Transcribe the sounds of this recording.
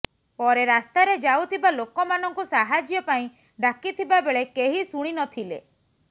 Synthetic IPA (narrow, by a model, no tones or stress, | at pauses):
pɔɾeɾast̪aɾed͡ʒawt̪ʰibalokɔmanɔŋkusaɦad͡ʒjɔpaĩ | ɖakit̪ʰibabeɭekeɦisuɽ̃inɔt̪ʰilḛ